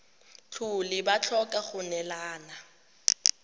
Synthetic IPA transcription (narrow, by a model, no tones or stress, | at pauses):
t͡ɬʰʊlɪbat͡ɬʰɔkʼaχʊnɛlaːna